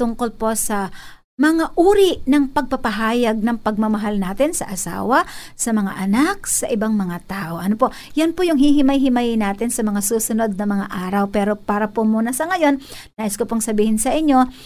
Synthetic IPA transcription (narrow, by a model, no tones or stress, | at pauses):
t̪ʊŋko̞lpo̞sɐ | mɐŋaʔuːɾiʔnɐŋpɐɡ̚pɐpɐɦaːjɐɡ̚nɐŋpɐɡ̚mɐmɐɦalnaːt̪ɪnsɐ̰ʔɐsa̰ːwɐ | sɐmɐŋa̰ʔɐnak̚sɐʔɪbaŋmɐŋat̪aːʔoʔɐnopo̞ | jɐnpojʊŋhiɦɪmɐjɦɪmajnaːt̪ɪnsɐmɐŋasuːsʊno̞d̪̚nɐmɐŋa̰ʔaːɾɐwpɛːɾo̞paːɾɐpomuːnɐsɐŋɐjo̞nː | aːʔɪskopoŋsɐbiːhɪnsɐʔɪɲːo̞